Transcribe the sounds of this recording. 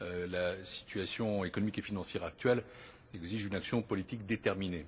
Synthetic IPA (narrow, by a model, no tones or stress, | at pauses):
ølasi̥t̪ɥasjɔ̃ekɔnɔmikefinɑ̃sjɛʁak̚t̪ɥɛl | ɛɡziʒynaksjɔ̃pɔlit̪ikd̪et̪ɛʁmine